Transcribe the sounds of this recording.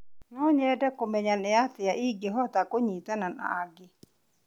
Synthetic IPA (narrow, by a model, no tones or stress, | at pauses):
nɔɲɛɛdɛkomɛɲanɪatɪaʔiɡeɦɔtakoɲitanana̰aɡɪ